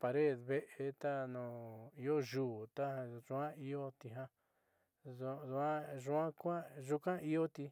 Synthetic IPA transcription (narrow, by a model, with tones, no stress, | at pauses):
pa˨ɾe˦˨ðβe˦ʔe˧t̪a˦nũ˨i˧o˦ʒuː˨t̪a˦˧ʒũ˧˦ã˦i˧o˦t̪i˧ɦã˦ | ðu˧ðu˧ã˦ʒũ˧˦ã˦kʷã˦ʒu˧kã˦i˦o˦t̪i˧